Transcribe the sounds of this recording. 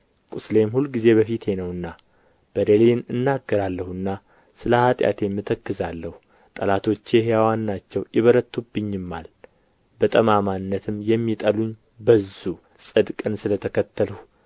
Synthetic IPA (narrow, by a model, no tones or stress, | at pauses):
kʼusle̞mhulɡize̞βəfit̪ʰe̞nəwɨnːa | b̥əɾelenɨnːaɡːəɾalːəhuɨnːa | sɨləhat̪ʼja̰t̪ʰe̞mːɨt̪ʰəkːɨzalːəhu | t̪ʼəlat̪ʰo̞t͡ʃːeɦejawanːat͡ʃːɛwjɪβəɾət̪ʰːubːɨɲːɪmːa̰l | bət̪ʼəmamanːət̪ʰɨmjɛmːit̪ʼəluɲ | bəzu | sʼɨd̪kʼɨnsɨlət̪ʰəkʰət̪ːəlu